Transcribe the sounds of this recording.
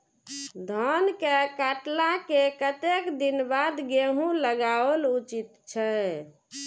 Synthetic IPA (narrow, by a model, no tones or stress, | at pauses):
d̪ʱɔnkekaʈlakekət̪ekd̪inbad̪ɡeɦũləɡaəlut͡ʃit̪t͡ʃʰɛ